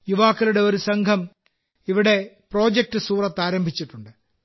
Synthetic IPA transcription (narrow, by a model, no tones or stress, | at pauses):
juʋaːkːɐluɽe̞o̞ɾusɐŋkʰɐm | iʋiɽe̞ | pro̞ːd͡ʑek̚ʈɨsuːrɐt̪ːaːɾɐmbʱit͡ɕːiʈːuɳɖɨ